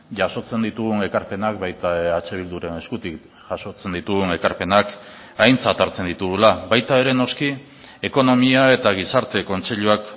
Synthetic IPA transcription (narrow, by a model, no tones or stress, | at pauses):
ʝaso̞t͡se̞nd̪it̪uɣune̞kaɾpe̞nak̚βajt̪aat͡ʃe̞β̞ild̪uɾeneskut̪ik | ʝaso̞t͡se̞nd̪it̪uɣune̞kaɾpe̞nak | ajnt͡sat̪aɾt͡se̞nd̪it̪uɣulaβajt̪ae̞ɾe̞no̞ski | e̞ko̞no̞miae̞t̪aɣ̞isaɾt̪e̞ko̞nt͡se̞ʎuak